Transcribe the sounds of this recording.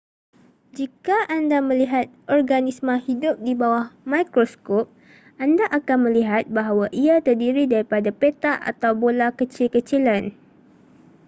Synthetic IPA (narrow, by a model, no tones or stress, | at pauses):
d͡ʒikaʔandamə̃liɦat̪̚ʔɔrɡanismə̃hidʊp̚dibawahmajkɾoskɔp̚ | ʔandaʔakanmə̃liɦat̪̚baɦawaʔiat̪ərdiɾidaɾipadapet̪aʔa̰t̪awbolakət͡ʃilkət͡ʃilan